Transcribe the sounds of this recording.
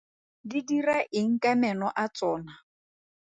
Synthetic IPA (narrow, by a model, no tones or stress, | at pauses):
didiraʔɪŋ̩kʼamɛnɔʔat͡sʼɔːna